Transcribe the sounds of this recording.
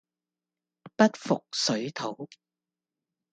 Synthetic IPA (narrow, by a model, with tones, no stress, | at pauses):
pɐ˥t̚fʊ̰˨k̚sɵ˨˥ɥt̪ʰo˨˥w